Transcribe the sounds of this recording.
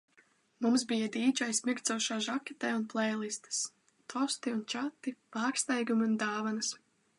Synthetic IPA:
mums̬bijad̪iːt͡ʃajsmʲiɾt̪sɔʃaːʒakʲɛt̪ɛːunplˠɛjlˠist̪ɨ̥s | t̪ʰɔst̪iunt͡ʃat̪ːipaːkst̪ajɡumiund̪aːvanas

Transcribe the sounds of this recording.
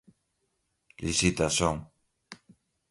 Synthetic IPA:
lisit̪asoŋ

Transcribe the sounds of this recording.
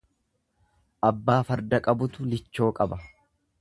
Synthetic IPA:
ʔɐbːaːfɐɾd̪ɐkʼɐbʊt̪ʊlɪt͡ʃːo̞ːkʼɐbɐ

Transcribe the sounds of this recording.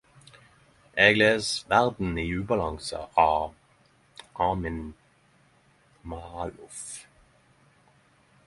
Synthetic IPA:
ʔeːɡleːsʋæʁd̪n̩iːʉːbɑlɑŋsə̰ʔɑː | ʔɑːmɪn | mɑlʊf

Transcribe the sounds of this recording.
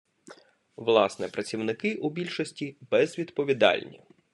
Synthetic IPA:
ʋlˠɑsnɛpɾɐt͡sʲiwnɪkɪʔubʲilʲʃɔsʲtʲibɛzʋʲid̪pɔʋʲid̪ɑ̰lʲnʲḭ

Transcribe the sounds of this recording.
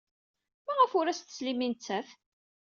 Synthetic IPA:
mæʁəfʊɾæst̪ə̥slimint͡sːæθ

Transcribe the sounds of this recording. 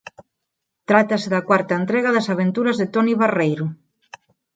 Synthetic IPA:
t̪ɾat̪aseðakwaɾt̪ɐent̪ɾeɣaðasaβent̪uɾazðet̪ɔniβarejɾʊ

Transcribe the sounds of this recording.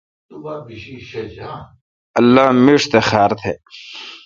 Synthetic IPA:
ɐlːaːmiʂt̪exaːɾt̪ʰeː

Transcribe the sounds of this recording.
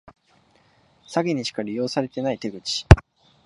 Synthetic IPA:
saɡʲiɲ̟iɕi̥kaɾʲijo̞ːsaɾe̞t̪e̞nait̪e̞ɡɯ̟t͡ɕi̥

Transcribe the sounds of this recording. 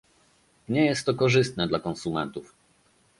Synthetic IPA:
ɲɛjɛst̪ːɔkɔʐɘst̪nɛd̪lakɔnsumɛ̰nt̪uf

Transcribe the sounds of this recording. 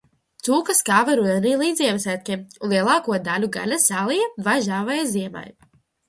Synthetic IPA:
t̪suːkaskaːvaɾud̪ɛniːlˠiːd̪ziɛvɛsæːt̪̚ʲkʲimulˠiɛlˠaːkuɔd̪alʲuɡa̰lʲasaːlˠijavaʒaːvɛjziɛma̰j

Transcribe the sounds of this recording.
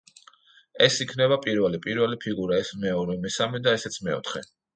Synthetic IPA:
ɛsikʰnɛβapʼiɾvɛlipʼiɾvɛlipʰiɡuɾaɛsmɛɔɾɛmɛsamɛd̪aɛsɛt̪sʰmɛɔ̰t̪ʰχɛ

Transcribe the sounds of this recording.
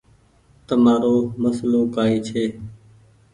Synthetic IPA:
t̪əmaːɾoːməsloːkaːiːt͡ʃʰeː

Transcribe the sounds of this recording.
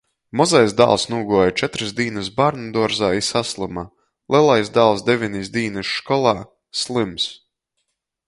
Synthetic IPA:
mɔzajzd̪a̰ːlˠsnuːɡuɔjt͡ʃɛt̪ɾɨsd̪iːnɨsbaɾnad̪uɔɾzaːisaslˠɨma | lˠʲɛlˠajsd̪aːlˠsd̪evʲinʲisd̪ʲiːnɨʃʃkɔlˠaː | slˠɨms

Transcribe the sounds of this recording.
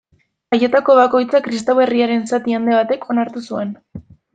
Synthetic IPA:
aje̞t̪ako̞β̞ako̞jt͡sakɾist̪awβe̞riaɾe̞nsat̪iand̪e̞β̞at̪e̞kʰo̞naɾt̪usue̞n

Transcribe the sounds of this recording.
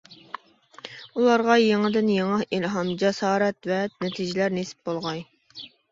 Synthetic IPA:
ulˠɑɾʁɑjeŋɨd̪ɪnjeŋɑilɦɑmd͡ʒɛsɑːɾɛt̪vɛnɛt̪ʰid͡ʒilæɾnesɪ̥p̚bolˠʁɑj

